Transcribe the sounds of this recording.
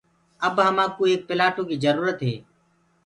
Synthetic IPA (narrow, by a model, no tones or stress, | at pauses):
əbɦəmãːkuːeːk̚pɪlaːʈõːkiːzəɾuːɾət̪ɦḛː